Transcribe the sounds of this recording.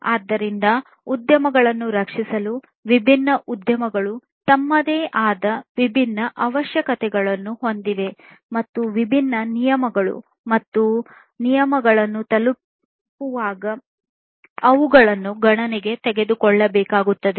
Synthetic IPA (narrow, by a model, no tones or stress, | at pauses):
aːd̪ːɐɾind̪ɐ | ud̪jɐmɐɡɐɭɐnːuɾɐkʂisɐlu | ʋibʱinːɐʔud̪jɐmɐɡɐɭu | t̪ɐmːɐd̪eːʔaːd̪ɐʋibʱinːɐʔɐʋɐʃjɐkɐt̪ɛɡɐɭɐnːuɦo̞nd̪iʋe̞ | mɐt̪ːuʋibʱinːɐnijɐmɐɡɐɭṵ | mɐt̪ːu | nijɐmɐɡɐɭɐnːut̪ɐlu | pːuʋaːɡɐ | ɐʋuɡɐɭɐnːuɡɐɳɐnɛɡe̞t̪ɛɡe̞d̪ukɔɭːɐbɛːkaːɡut̪ːɐd̪e